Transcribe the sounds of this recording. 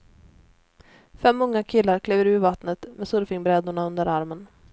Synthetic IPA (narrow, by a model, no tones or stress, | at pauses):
fɛmːɵŋːakʰɪlːaɾkʰleːvəɾʉ̟ːvat̪nət̪mɛsɵɾfɪŋbɾɛd̪ʊɳaɵnd̪əɾaɾmən